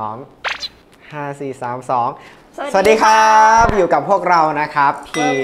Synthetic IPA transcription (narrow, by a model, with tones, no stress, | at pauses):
ɔː˩˦ŋ | haː˥˩siː˨˩saː˩˦msɔː˩˦ŋ | sa˧a˨˩diː˧kʰa˦p̚juː˨˩ka˨˩pʰːu˥˩ək̚ɾa˧wna˦˥kʰɾa˦˥pʰiː˧